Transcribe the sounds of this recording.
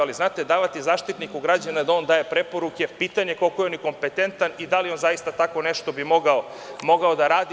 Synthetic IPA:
aliznaːt̪e̞d̪aːʋat̪izaːʃt̪it̪nikuɡɾad͡ʑanad̪ao̞nd̪aːje̞pɾe̞po̞ɾuke̞piːt̪aɲe̞kolko̞jeo̞niko̞mpe̞t̪e̞nt̪anid̪alio̞nzajist̪at̪ako̞neʃt̪o̞bimo̞ɡao | mo̞ɡao̞d̪aɾaːd̪i

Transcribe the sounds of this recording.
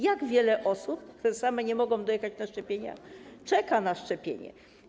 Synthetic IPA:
jaɡvʲjɛlɛʔɔsup̚kt̪uɾɛsamɛɲɛmɔɡɔ̃w̃d̪ɔjɛxat͡ɕnaʂt͡ʂɛpʲjeɲa̰t͡ʂɛkanaʂt͡ʂɛpʲjḛɲɛ̰

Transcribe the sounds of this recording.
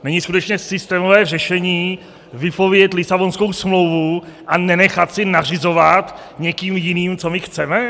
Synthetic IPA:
nɛɲɪskut̪ɛt͡ʃɲɛsɪst̪ɛːmovɛːrɛʃɛɲiː | vɪpo̞vjɛt̪lɪsabo̞nsko̞wsmlo̞wvuʔanɛnɛxat̪sɪnar̝ɪzo̞vat̪ | ɲɛkiːmjɪniːmt͡so̞mɪxt͡sɛmɛ

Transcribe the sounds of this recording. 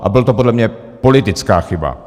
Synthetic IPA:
ʔa̰bɪlt̪opo̞dlɛmɲɛ | po̞lɪt̪ɪt͡skaːxɪba̰

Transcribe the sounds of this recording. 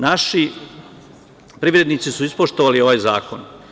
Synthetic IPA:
naʃi | pɾiʋɾe̞d̪niːt̪sisuispoʃt̪oʋalio̞ʋajza̰ːkon

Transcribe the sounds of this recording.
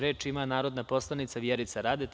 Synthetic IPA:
ɾe̞ːt͡ʃimanaːɾo̞d̪napo̞slˠanit̪saʋjeɾit̪saɾaːd̪et

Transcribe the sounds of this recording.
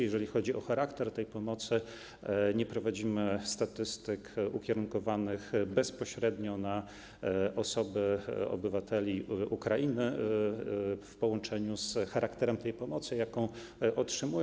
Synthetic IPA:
jɛʐɛlʲixɔd͡ʑiʔɔxaɾakt̪ɛɾt̪ɛjpɔmɔt̪sɘ | ɲɛpɾɔvad͡ʑimɘst̪at̪ɘst̪ɘkukʲɛɾuŋkɔvanɘxbɛspɔɕɾɛd̪ɲɔna | ʔɔsɔbɘɔ̰bɘvat̪ʰɛlʲiʔukɾaʔinɘ | fpɔwɔnt͡ʂɛɲusxaɾʔakt̪ɛɾɛmt̪ɛjpɔmɔt̪sɘjakɔ̃w̃ | ʔɔtʂɘmuj

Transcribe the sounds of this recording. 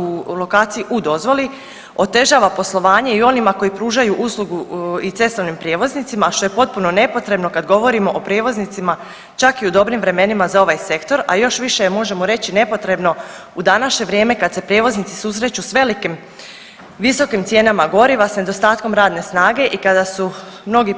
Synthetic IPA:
ulo̞kaːt̪sijiʔud̪o̞zʋo̞li | o̞t̪e̞ʒaːʋapo̞slˠo̞ʋaːɲe̞io̞nimako̞jipɾuːʒajuʔuslˠuɡuit̪se̞st̪o̞ʋnimpɾjeːʋo̞znit̪imaʃt̪o̞je̞po̞t̪̚puno̞ne̞po̞t̪ɾe̞bno̞kad̪ɡo̞ʋo̞ɾimo̞ʔopɾje̞ːʋo̞znit̪sima | t͡ʃakiud̪o̞bɾimʋɾe̞me̞nimazao̞ʋajse̞kt̪o̞ɾa̰jo̞ʃʋiʃejemo̞ʒe̞moɾe̞t͡ɕine̞po̞t̪ɾe̞bno̞ | ud̪anaʃɲe̞ʋɾje̞ːme̞kad̪se̞pɾʲjeːʋo̞znit̪si̥susɾe̞t͡ɕusʋe̞likim | ʋiso̞kimt̪sʲje̞ːnamaɡo̞ɾiʋasne̞d̪o̞st̪aːt̪̚ko̞mɾaːd̪ne̞snaːɡe̞ʔikad̪asu | mno̞ɡi

